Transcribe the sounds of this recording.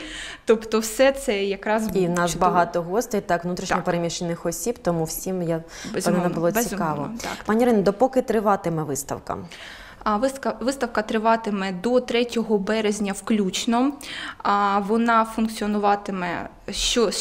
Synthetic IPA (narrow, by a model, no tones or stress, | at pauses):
t̪ɔpt̪ɔwsɛt̪sɛjɐkɾɑzbinɑʃbɐɦɑt̪ɔɦɔst̪ɔit̪ɑkʋnut̪ɾʲiʃʲɐpeɾemʲiʃt͡ʃenɪxɔsʲibt̪ɔmuwsʲimja | ezʲpnɛnɐbʊlˠɔbsʲikɑʋɔ̰ɑ̰t̪ɑnʲiɾɪnɐd̪ɔpɔkɪt̪ɾɪʋɑt̪ɪmɛʋɪst̪ɐ̰wkɐ̰ | ʋɪskɐʋɪst̪ɐwkɐt̪ɾɪʋɑt̪ɪmɛd̪ɔt̪ɾɛtʲɔɦɔbɛɾezʲnʲɐwklʲut͡ʃnɔ | ʋɔnɑfunkt͡sʲiɔnʊʋɑt̪ɪmɛ̰ | ʃt͡ʃɔ